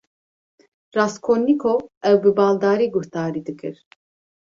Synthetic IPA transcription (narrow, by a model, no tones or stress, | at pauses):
rɑːskʰonːikʰoɛwbɨbɑːld̪ɑːɾiːɡuht̪ɑːɾiːd̪ɨkʰɨɾ